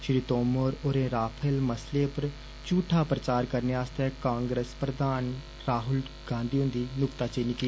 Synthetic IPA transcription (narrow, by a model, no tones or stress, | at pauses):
ʃɾiːt̪oːmoɾoːɾẽːɾaːpʰəlməsleːpəɾ | t͡ʃuːʈʰaːpɾət͡ʃaːɾkəɾneaːst̪ɛːkãːŋɡɾəspɾəd̪aːn | ɾaːɦʊl | ɡ̥ãːnd̪iːʊ̃ːnd̪iːnʊkt̪aːt͡ʃeːnikiː